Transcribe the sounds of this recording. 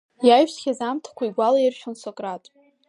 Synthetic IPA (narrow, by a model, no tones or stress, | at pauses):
jajʒsχʲazamtʰḁkʷʰaiɡʷalairʃᶣonsokʼratʼ